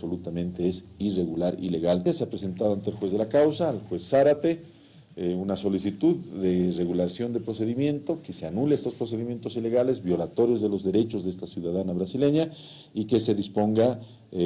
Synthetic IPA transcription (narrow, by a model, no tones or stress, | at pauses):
solut̪amẽnt̪e̞esire̞ɣulaɾḭle̞ɣalaseapɾese̞nt̪aðoant̪elxwe̞zðe̞lakawsaːlxwe̞sːaɾat̪e̞ | unaso̞lisit̪uððe̞re̞ɣulaɾsjo̞nd̪e̞pɾo̞se̞ðimjẽ̞nt̪o̞kese̞anuleest̪o̞spɾo̞s̬eðimje̞nt̪o̞sile̞ɣale̞zβjo̞lat̪o̞ɾjo̞zðe̞lo̞zðe̞ɾe̞t͡ʃo̞zðeest̪asjuðaðanaβɾasile̞ɲa | ike̞se̞ðispo̞ŋɡa